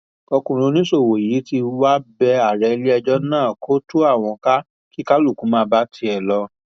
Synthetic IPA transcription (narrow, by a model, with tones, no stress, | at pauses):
o˧kũ˨ɾ̃ũ˧nĩ˦so˦˨wo˨i˨˦ti˧wa˦bɛ˧a˨ɾɛ˧li˦ɛ˧d͡ʒɔ˦nãː˦˨kʰo˦to˦a˦˨w̃ɔ̃˧ka˦ | ki˦ka˦lu˦˨kũ˨˦mãː˦ba˦ti˧˦ɛ˨lɔ˧